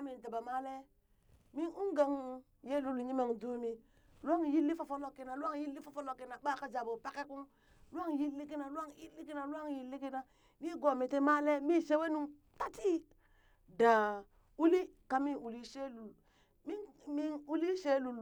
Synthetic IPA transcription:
mi˨n˨ta˨ba˨ma˦le˦ | mi˦nu˦ŋɡa˨ŋ | je˦lu˨lɲi˦me˨ŋdu˦mi˦ | lu˦a˦ŋji˦lːi˦fa˨fo˦lo˦ki˦na˨lu˦a˦ŋji˦lːi˦fa˨fo˦lo˦˨ki˦na˨ɓa˦˨ka˦d͡ʒa˨bo˨pa˦ke˦ku˦n | lu˦a˦ŋji˦lːi˦ki˦na˨lu˦a˦ŋji˦lːi˦ki˦na˨lu˦a˦ŋji˨lːi˦ki˦na˨ | mi˦ɡo˨mi˨ti˦ma˦le˦mi˦ʃe˦we˦nu˦˨ŋ | ta˦ti˦ | da˨ | u˦li˦ | ka˨˦mi˦nu˨li˦ʃe˦lu˨l | mi˦nmi˦nu˦li˦ʃe˦lu˨l

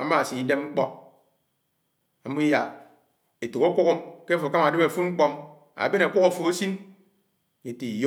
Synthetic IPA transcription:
a̰˨ma˦˨si˨i˦de˦m˦ŋ͡m̩˦k͡pɔ˦ | a˨mu˦i˦ja˨ | e˨to˨ko˦ku˦ku˦ke˦fo˨ka˦ma˨de˦me˨fu˦ŋ͡m̩˦k͡pɔ˦m | a̰˨be˦na˨kʷu˦ko˦˨fo˨e˦si˦n˨ | ɲe˨ti˨i˨jo˦

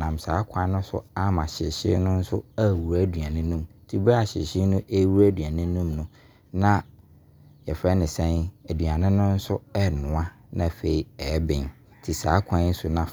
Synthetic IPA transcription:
nã˨m˨saː˨˦kʰã˦nʊ̃˦sʊ̰˦a˦mã˨ɕɪ˨ɕɪ̰˦nʊ̃˦n̩˦sʊ˦a˦˨wu˨ɾa˦du˨a˨nɪ̃˦nũ˦mtʰi˨ba˦a˨ɕɪ̰˨ɕɪ˦nʊ̃˦ʔe˦wu˦ɾæ˦dɥa˨nɪ̃˦nũ˦mnʊ̃˦ | nã˦ | jɛ˨fɾɛ˦nɪ̃˨sɛ̃˦næ˨dɥa˨nɪ̃˦nʊ̃˦n̩˦sʊ˦ɛ˦nʊ̃˨ã˦ | nã˨fe˨i˨ɛ˨˦bɪ̃˨n | tʰi˨saː˨˦kʷʰã˦n˦n̩˦sʊ˦nã˦

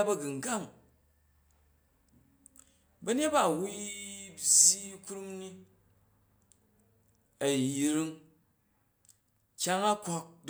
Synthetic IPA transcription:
bɐ˦ɡɨ˨ŋ̩˨ɡa˦˨m | bɐ˦ne˦t̚ba˦˨wu˦bzʲi˦ku˦ɾu˦mni˦ | ɐ˨ji˨ɾi˦ŋ | kʲa˦ŋa˦kʷo˦k̚d

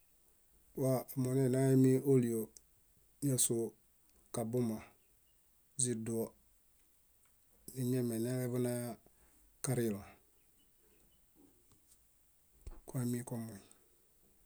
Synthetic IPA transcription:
wa˦˨mo˨ne˦˨na˦ji˦mi˦ʔo˦li˨o˨ | na˦so˨ | ka˨bu˦ma˨ | zi˨du˨˦ɔ˦ | ni˨ɲɛ˦mɛ˨ne˦lɛ˦bu˦na˦ja˦ | ka˦ɾɪ˦˨la˨ | ka˦mi˦kɔ˦mo˨

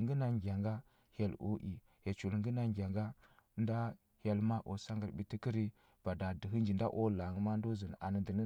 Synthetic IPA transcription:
ŋɡə˦na˨ŋɡʲa˨ŋɡa˦ | ha˨lo̰˦ʔḭ˨ | he˨t͡ʃu˨lŋ˦ɡə˦na˨ŋɡʲa˨ŋɡa˦n˦da˦ | ha˨lma˦ʔo˨sa˦ŋɡa˨ɾbi˨ti˦ki˦ɾi˦ | b̥a˨da˨də˨ɦi˦nd͡ʒi˨n˦da̰˦ʔo˦la˨ŋ˦ma˦n˦do˦zə˨n˨a̰˨nə˨də˨nə˦

